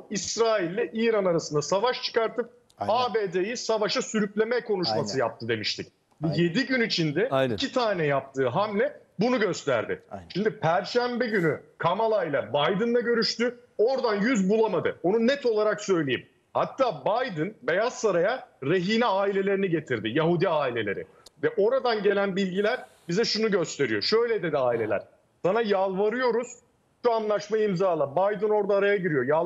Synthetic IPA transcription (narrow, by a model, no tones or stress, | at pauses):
isɾaːilʲːɛʔiːɾanaɾasɯnd̪asavaʃt͡ʃʰɯ̥kaɾt̪ʰɯp̚ | aːbe̞ːd̪ejisavaʃasyɾyclʲe̞mɛkʰo̞nuʃmasɯjap̚t̪ʰɯd̪e̞miʃt̪ʰic | bije̞d̪iɟynit͡ʃʰind̪ɛicʰit̪ʰaːnɛjap̚t̪ʰɯːɦamlʲɛbunuɟø̞st̪ʰæ̰ɾd̪ɪ̰ʃimd̪ipʰæɾʃæmbɛɟynykʰamalˠaijlˠabajd̪ɯnd̪aɟø̞ɾyʃt̪yo̞ɾd̪anjyzbulˠamad̪ɯo̞nunɛt̪ʰo̞lˠaɾaksø̞jlʲejim | hat̪ʰːaːbajd̪ɯnbe̞jasːaɾajaɾeɦiːnɛaːilʲe̞lʲe̞ɾiniɟe̞t̪ʰiɾd̪ɪjaɦud̪iaːilʲe̞lʲe̞ɾɪ̰ | vɛʔo̞ɾad̪anɟe̞lʲænbilʲɟilʲæɾ | bizɛʃunuɟø̞st̪ʰe̞ɾijo̞ʃø̞jlʲed̪e̞d̪iaːilʲe̞lʲæ̰ɾ̥ | sanajalˠvaɾɯjo̞ɾuz̥ | ʃuanlˠaʃmaimzaːlˠabajd̪ɯno̞ɾd̪aːɾajaɟiɾijo̞ja